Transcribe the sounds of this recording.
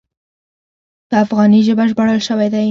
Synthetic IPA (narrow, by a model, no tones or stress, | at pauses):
d̪̥əafɣɑniʒəbaʒbəɽəlʃəwajd̪aj